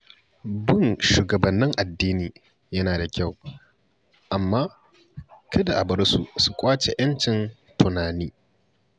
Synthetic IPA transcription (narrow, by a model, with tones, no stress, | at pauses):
bʊ˦ŋʃuː˨ɡɐ˨bɐ˨nːɪ˦ŋʔa˨dːiː˦niː˨ | jɐ˦naː˨da˨kʲa˦˨w | ʔa˨mːaː˦ | kʰɐ˦da˨ʔa˨bɐ˦rsṵ˨su˦kʷʼaː˦t͡ʃe˨j̰ɐ˦nt͡ʃɪ˨n | tʰʊ˨naː˨niː˦